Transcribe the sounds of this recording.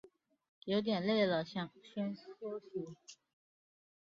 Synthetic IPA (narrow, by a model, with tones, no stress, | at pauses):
jo˧˥ʊt̪̬jɛ˨˩nle˥˩ɪlə˨˩ɕjɑ˥˧ŋɕɥɛ˥nsu˥ɕi˧˥